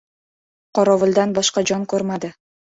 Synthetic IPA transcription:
qʰɒɾɒvʊlˠd̪anbɒʃqɑd͡ʒɒnkʰɵɾmad̪ɪ

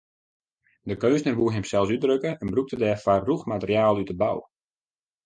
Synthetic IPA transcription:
dəkøːsnərʋuərɦɛmsɛlˠsydrøkəɛnbruk̚tədɛfarːuxmatərjaːlˠytəba̰w

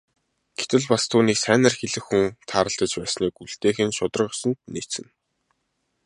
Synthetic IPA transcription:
ɡ̥et̪ɘ̆ɮpast̪ʰuːniːksæːnə̆rxeɮɘ̆xːuŋt̪ʰaːɾə̆ɬt̪ə̆t͡ɕpæːsniːkuɮt̪eːxɘ̆nʃʊt̪ə̆rʁəsə̆nt̪̚niːt͡sɘ̆n

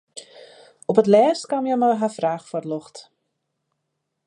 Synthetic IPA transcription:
ɔpətlɛːstkamjəmajɦafraːxfɔrlɔxt

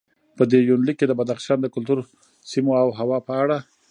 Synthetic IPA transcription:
pəd̪ejunlikːed̪əbad̪axʃɑnd̪əkʊlt̪uɾ | simoawɦawɑpəaɽa

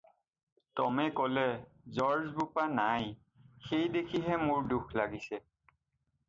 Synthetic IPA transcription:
tɔmɛkɔlɛzɔɹzbupanaj | xejdekʰiɦɛmʊɹduxʰlaɡisɛ

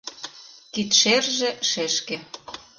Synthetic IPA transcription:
kit̪ʃerʒĕʃeʃke

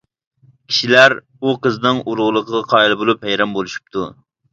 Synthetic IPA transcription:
kʲʰi̥ʃilæɾ | uqəznɨŋuɾʁlˠəqʰəʁɑqʰɑːilˠɨbolˠuphæjɾɑmbolˠuʃu̥p̚t̪ʰṵ

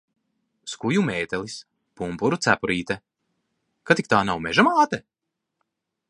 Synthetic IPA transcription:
skujumɛːt̪ɛlˠis | pumpuɾut̪sæpuɾiːt̪ɛ | kat̪ikt̪aːnawmɛʒamaːt̪ɛ

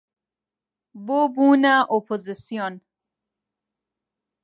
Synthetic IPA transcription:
bobuːnaʔopʰozisijon

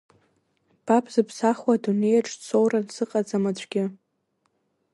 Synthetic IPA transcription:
b̥apʰʼzɨpʰsaχwadune̞jaʈ͡ʂʼt͡sʰo̞wransɨqʼad͡zamat͡ɕʷʰʼɡʲɪ

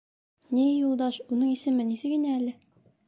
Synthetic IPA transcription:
nijulˠd̪ɑʃunɤɴisɘ̆mɘnisɘɡinæælɘ

